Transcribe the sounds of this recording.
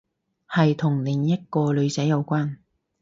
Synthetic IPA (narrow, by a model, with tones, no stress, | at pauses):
hɐ˨jt̪ʰʊ˨˩ŋlɪ˨˩ŋjɐ˥t̚kɔː˧lɵ˨˧ɥt͡sɐ˨˥jːɐ˨˧wkʷaː˥n